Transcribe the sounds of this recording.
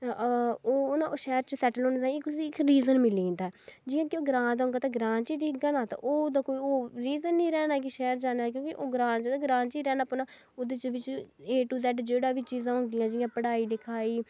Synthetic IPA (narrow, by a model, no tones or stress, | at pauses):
oːʊnãːʔoːʃɛːəɾt͡ʃəsɛːʈəloːnːd̪ãːkʊsiɪkɾiːzənmɪlĩnd̪aɛːd͡ʒɪjãːkɪoːɡɾãːd̪ɦõːŋɡaːt̪ãɡɾãːnt͡ʃiːd̪iːɡanaːt̪ã̰ːʔoːd̪aːkoːiːoːɾiːzənːĩːɾɛːnaːkiʃɛːɾd͡ʒaːnaːk̬jõːkɪʔoːɡɾãːt͡ʃt̪ãɡɾãːnt͡ʃiːɾɛːnaːpənaː | ʊd̪eːt͡ʃʋɪt͡ʃeːʈuːd̪ɛːʈd͡ʒeːɽaːʋiːt͡ʃiːzãːʊ̃ːɡ̪ɪjãːd͡ʒɪjãːpəɽaːiːd̪ɪkʰaːiː